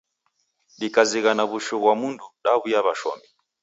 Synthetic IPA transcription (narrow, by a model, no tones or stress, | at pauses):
ɗikaziɣanaβuʃɔɣwamunduɗaβujaβaʃɔ̰mbi